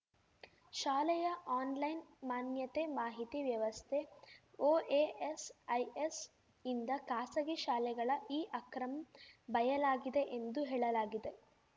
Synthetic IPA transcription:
ʃaːlɛjɐʔaːnlɐjnmaːnjɐt̪emaːɦit̪iʋjɐʋɐst̪ʰeoːeesɐjes | ind̪ɐkaːsɐɡiʃaːlɛɡɐɭɐʔiːʔɐkɾɐmɐbɐjɐlaːɡid̪e̞ʔend̪uɦeːɭɐlaːɡid̪e

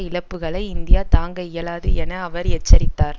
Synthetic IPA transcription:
ɪɭɐpːɯɣɐɭɐɪɪnd̪ɪjaːt̪aːŋɡɐɪjɐɭaːðɯɛnɐɐʋɐɾɛt͡ʃːɐɾɪt̪ːaːɾ

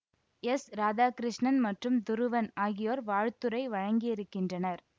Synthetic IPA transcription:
ɛsɾaːðaːkɾɪʂɳɐnmɐʈrɯmd̪ʊɾɯʋɐnaːɣɪjoːɾʋaːɻt̪ːɯɾɐɪʋɐɻɐŋɡɪjɪɾɯkːɪndrɐnɐɾ

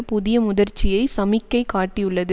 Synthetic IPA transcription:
pʊðɪjɐmʊðɐɾt͡ʃːɪjɐɪsɐmɪkːɐɪkaːʈːijɯɭːɐðɯ

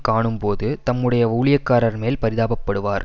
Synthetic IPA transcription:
kaːɳɯmpoːðɯt̪ɐmːɯɽɐjɐuːɭɪjɐkːaːɾɐɾmeːlpɐɾɪðaːbɐpːɐɽɯʋaːɾ

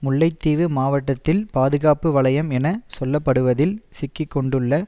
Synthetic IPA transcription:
mʊɭːɐɪt̪ːiːʋɯmaːʋɐʈːɐt̪ːɪlpaːðɯɣaːpɯʋɐɭɐjɐmɛnɐsɔlːɐpːɐɽɯʋɐðɪlsɪkːɪkːɔɳɖɯɭːɐ

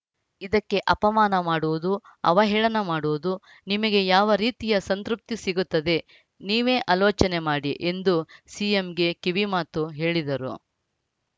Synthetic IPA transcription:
id̪ɐkːe̞ʔɐpɐmaːnɐmaːɽuʋud̪uɐ̰ʋɐɦɛːɭɐnɐmaːɽuʋud̪u | nimɐɡe̞jaːʋɐɾiːt̪ijɐsɐnt̪ɾup̚t̪isiɡut̪ːɐd̪e̞ | niːʋe̞ːʔaːloːt͡ʃɐnemaːɽiʔe̞nd̪usiemɡe̞kiʋimaːt̪uɦe̞ːɭid̪ɐɾṵ

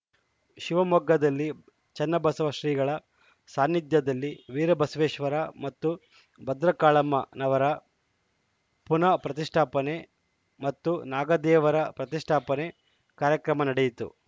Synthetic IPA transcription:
ʃiʋɐmɔɡːɐd̪ɐlːi | t͡ʃɛnːɐbɐsɐʋɐʃɾiːɡɐɭɐ | saːnːid̪jɐd̪ɐlːiʋiːɾɐbɐsʋeːʃʋɐɾɐmɐt̪ːu | bɐd̪ɾɐkaːɭɐmːɐ̰nɐʋɐɾɐ | punɐpɾɐt̪iʂʈʰaːpɐne | mɐt̪ːunaːɡɐd̪ɛːʋɐɾɐpɾɐt̪iʂʈʰaːpɐne | kaːɾjɐkɾɐmɐnɐɽejit̪ṵ

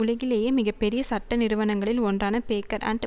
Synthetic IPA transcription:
ʊlɐɣɪleːjemɪɣɐpːɛɾɪjɐsɐʈːɐnɪɾɯʋɐnɐŋɡɐɭɪlɔndraːnɐpeːkːɐɾa̰ːɳʈ

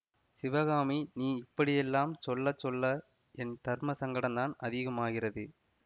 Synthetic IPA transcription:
sɪʋɐɣaːminiːɪpːɐɽɪjɛlːaːmsɔlːɐt͡ʃːɔlːɐ | ɛnt̪ɐɾmɐsɐŋɡɐɽɐnd̪aːnɐðɪɣɐmaːɣɪrɐðɯ

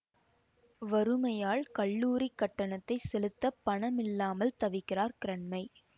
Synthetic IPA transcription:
ʋɐɾɯmɐjaːɭkɐɭːuːɾikːɐʈːɐɳɐt̪ːɐɪsɛlɯt̪ːɐpːɐɳɐmɪlːaːmɐlt̪ɐʋɪkːɪraːɾkɪɾɐɳmɐɪ

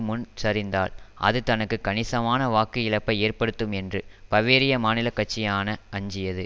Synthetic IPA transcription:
mʊnt͡ʃɐɾɪnd̪a̰ːlʔɐ̰ðɯt̪ɐnɐkːɯkːɐnɪsɐmaːnɐʋaːkɪɪlɐpːɐɪeːrpɐɽɯt̪ːɯmɛndrɯpɐʋeːɾɪjɐmaːnɪlɐkːɐʈ̚t͡ʃːɪjaːnɐɐɲd͡ʒɪjɐðɯ

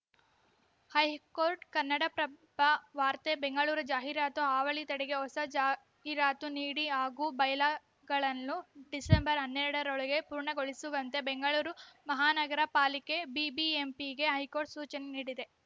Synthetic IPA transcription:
hɐjkoːɾʈkɐnːɐɽɐpɾɐbʱɐʋaːɾt̪ebeŋɡɐɭuːɾud͡ʒaːɦiɾaːt̪uaːʋɐɭit̪ɐɽɛɡe̞ɦɔsɐd͡ʒaː | ɦiɾaːt̪uniːɽiaːɡubɐjlaː | ɡɐɭɐnːuɖisembɐɾɦɐnːeɾɐɽɐɾoɭɐɡe̞puːɾɳɐɡoɭisuʋɐnt̪e̞beŋɡɐɭuːɾumɐɦaːnɐɡɐɾɐpaːlikebibiempiɡe̞ɦɐjkoːɾʈsuːt͡ʃɐneniːɽid̪e̞

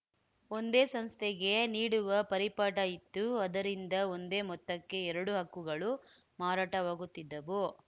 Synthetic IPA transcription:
o̞nd̪e̞ːsɐmst̪ʰeɡe̞niːɽuʋɐpɐɾipaːʈɐjit̪ːuɐd̪ɐɾind̪ɐond̪e̞ːmɔt̪ːɐkːe̞ɛɾɐɽuɦɐkːuɡɐɭu | maːɾaːʈɐʋaːɡut̪ːid̪ːɐʋo

